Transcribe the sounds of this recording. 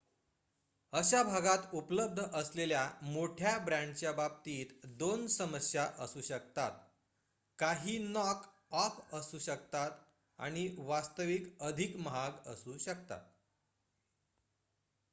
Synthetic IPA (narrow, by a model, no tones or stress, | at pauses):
əɕabʱaɡat̪upləb̚d̪ʱəʔəsleljamoʈʰjabɾãɳɖt͡ɕjabab̚t̪iːt̪d̪onsəməsjaʔəsuːɕəkt̪at̪̚ | kaɦiːnɔk | ɔfəsuːɕəkt̪at̪ | a̰ɽ̃iʋast̪əʋikəd̪ʱikməɦaɡəsuːɕək̚t̪a̰t̪̚